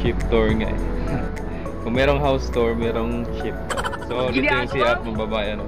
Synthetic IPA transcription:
t͡ʃɪp̚t̪oɹŋaʔɛ | kʊŋmɛːɾoŋɦawst̪oɹmɛːɾoŋt͡ʃɪp̚t̪osonɪɛnsiʔɐt̪̚mɐbɐbaːʔɛʔɐno

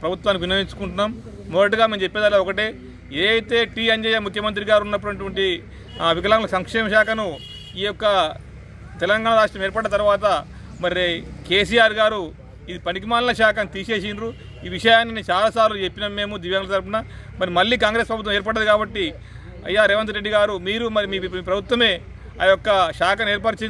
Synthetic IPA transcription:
pɾɐbut̪ʋaːnːikiʋinɐiɲt͡ʃu̥kuɳʈunːaːmː | ɔd̪ɐʈuɡaːme̞ːmd͡ʒe̞pːed̪ɐlːaɔkɐʈeː | eːjt̪e̞ːʈiːɐɲd͡ʒejaːmukʰjɐmɐnt̪ɾiɡaːɾunːɐpːuɐʈ̬ʋɐɳʈi | aʋikɐlaːmlosɐŋkʂɛːmɐʃaːkɐnu | iːjɔkːɐ | t̪ɛlɐŋɡaːɳɐɾaːʂʈɾɐmeɾpɐɽːɐt̪ɐɾuʋaːt̪ɐ | mɐɾike̞ːs̬ijaːɾɡaːɾu | id̪ipɐnik̬imaːnlɐʃaːkɐnt̪iːʃe̞ːʃinɾu | iːʋiʂɐjaːnːint͡ʃaːlaːsaːɾilut͡ʃe̞pːinɐmːe̞ːmud̪iːʋjɐŋlɐt̪ɐɾpunɐ | mɐɾimɐlːiːkaːŋɡɾe̞ːspɾɐbut̪ʋɐmeːɾp̬ɐɽɐd̪ukaːbɐʈːi | ɐ̰jːaːɾeʋɐnt̪ɾeɖːiɡaːɾumiːɾumɐɾimiːiːpɾɐbʱut̪ʋɐme̞ː | a̰jɔkːɐʃaːkɐne̞ːɾp̬ɐʈɐt͡ʃe

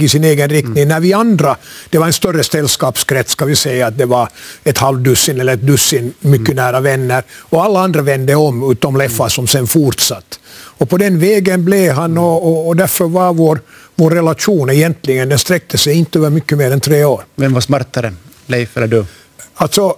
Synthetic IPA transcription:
ɪsɪneːɡənɾɪk̚t̪nɪŋnæɾvɪand̪ɾad̪̥ɛvaɾɛnst̪œrːəsɛlːskɑːpskɾɛt̪sskɑvɪsɛjːaːt̪̚d̪ɛvɑɾɛt̪halvd̪ʉsːɪnɛlːəɾɛt̪̚d̪ɵsːɪnmʏkːənæːɾavɛnːəɾɔalːaand̪ɾavɛnd̪əɔmʉːt̪̚ːɔmlɛfːasɔmsɛnfuɾt̪sat̪ːɔpʰɔd̪ɛnvɛːɡənblɛɦanɔːd̪æɾfœɾvɑɾvoːɾvoːɾːɛlaʂuːnɛjɛnt̪lɪɡənd̪ɛnst̪ɾɛk̚t̪ʰəsɛjɪnt̪əøːvəɾmʏkːəmeːɾɛnt̪ʰɾeːoːɾvɛmvasmaɾt̪aɾə | lɛɪfɛlːəɖʉ | alt̪sɔ

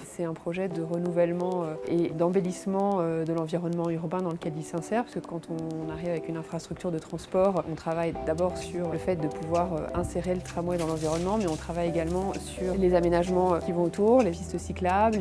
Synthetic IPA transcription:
sɛt̪ɛ̃pχɔʒɛd̪əʁənuvɛlmɑ̃øed̪ɑ̃belismɑ̃ød̪əlɑ̃viʁɔnmɑ̃yʁbɛ̃d̪ɑ̃ləkʲɛlilsɛ̃sɛʁpḁskəkɑ̃t̪ʰɔ̃naʁivavɛkynɛ̃fχast̪χyk̚t̪yʁd̪ət̪χɑ̃spɔʁʔɔ̃t̪χavajd̪abɔʁsyʁləfɛt̪̚d̪əpuvwaʁø̰ɛ̃seʁelət̪χamwɛd̪ɑ̃lɑ̃viʁɔnmɑ̃mɛɔ̃t̪χavajeɡalmɑ̃syʁlezamenaʒmɑ̃kʲivɔ̃ot̪uʁlepist̪əsiklabl

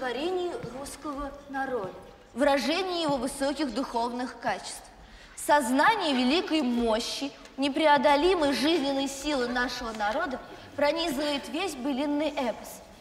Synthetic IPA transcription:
t̪vɐɾʲenʲɪjɪruskəvənɐɾod̪ə | vɾɐʐɛnʲɪjəjɪvo̞vɨsokʲɪɣd̪ʊxo̞vnɨxkat͡ɕɪ̥st̪f | sɐznanʲɪjəvʲɪlʲikəjmo̞ɕːɪ | nʲɪpɾʲɪɐd̪ɐlʲiməjʐɨzʲnʲɪnːəjsʲilˠɨnaʂəvənɐɾo̞d̪ə | pɾɐnʲizəvəjɪt̪vʲesʲbɨlʲɪnːɨjʔɛfəs

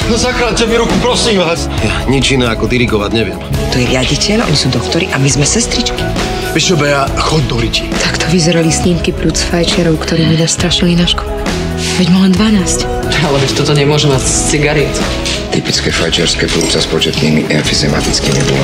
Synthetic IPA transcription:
nɔzakɾat͡ʃɛmiɾukupɾɔsimʋaːsjaɲid͡ʒinɛːakɔd̪iɾiɡɔʋaɟɲɛʋɪɛmt̪ɔjɛɾɪaɟicɛʎʔɔ̰ɲisuːd̪ɔkt̪ɔɾiʔamizmɛsɛst̪ɾit͡ʃki̥ | ʋiʃɔbɛjaxɔɟ̚d̪ɔɾicit̪ʰakt̪ʰɔʋizɛɾalisɲiːmkipluːt͡sfajt͡ʃɪaɾɔʊkt̪ɔɾiːɲɛnast̪ɾaʃilinaʃkɔlɛ | vɛɟmɔʒɛnd̪ʋanaːsc | alɛʋɛct̪ɔt̪ɔɲɛmʊɔʒɛmatst͡siɡaɾɛt̪ | t̪ipit͡skɛfajt͡ʃɪaɾskɛplut͡saspɔt͡ʃɛt̪nimiʔɛnfizɛma̰t̪it͡skimḭbɔl

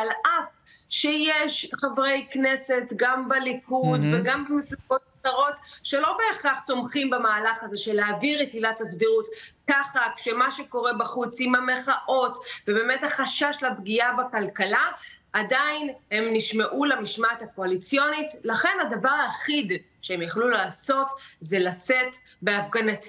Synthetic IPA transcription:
alʔafʃejeʃχavʁejkne̞se̞tɡambelikʰudveɡambemesibo̞t̚aχaʁo̞tʃe̞lo̞be̞ːχaχt̪o̞mχimbemaːlaχaze̞ʃeleaviʁitilathasbiʁutkaχakʃemaʃe̞ko̞ʁe̞baχut͡simhame̞χaʔo̞tvebe̞methaχaʃaʃlabɡiabakalkala | ʔadainhe̞mniʃmeʔulamiʃmathako̞alit͡sjo̞nitlaχe̞nadavaʁaːχid | ʃeemjaχlulaːso̞tze̞lat͡set | beafɡanat̪

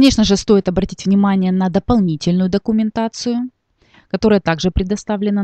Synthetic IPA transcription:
nʲe̞ʂnəʐɨst̪o̞jɪt̪ɐbɾɐtʲitʲvnʲɪmanʲɪjənɐd̪əpɐlˠnʲitʲɪlʲnʊjʊd̪əkʊmʲɪnt̪at̪sɨjʊ | kɐt̪o̞ɾəjət̪aɡʐɨpɾʲɪd̪ɐst̪avlʲɪnə

